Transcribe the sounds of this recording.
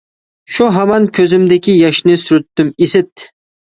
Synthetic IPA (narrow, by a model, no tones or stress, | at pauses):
ʃuɦɛmɑnkʲʰøzymd̪ɪkʲijɑʃnɪsyɾyt̪ːymisɪt̪̚